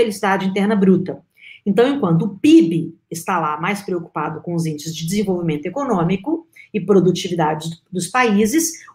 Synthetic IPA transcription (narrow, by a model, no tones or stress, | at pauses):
elisid̪ad͡ʒɪĩt̪̬ɛɾnɐbɾut̪ɐ | ẽnt̪ɐ̃w̃ẽkwɐ̃nt̪̬ʊːpibɪ | ɪst̪alamajspɾeoku̥pad̪ʊkõʊzẽt͡ʃʊzd͡ʒɪd͡ʒɪzẽvowvimẽnt̪ʊekonõmikʊɪpɾod̪ut͡ʃivid̪ad͡ʒɪd̪ʊspaizɪs